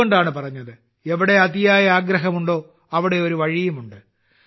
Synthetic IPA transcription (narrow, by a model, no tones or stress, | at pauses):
oɳɖaːɳɨpɐrɐɲːɐðɨ | eʋiɽe̞ɐðijaːjɐaːɡɾɐɦɐmuɳɖo̞ː | ɐʋiɽe̞o̞ɾuʋɐɻijɐmuɳɖɨ